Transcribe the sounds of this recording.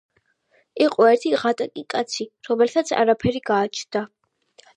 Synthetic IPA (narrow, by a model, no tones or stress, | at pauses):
iqʼɔɛɾt̪ʰiʁat̪ʼakʼikʼat̪sʰiɾɔmɛlit̪ʰat̪sʰa̰ɾapʰɛɾiɡaːt͡ʃʰd̪a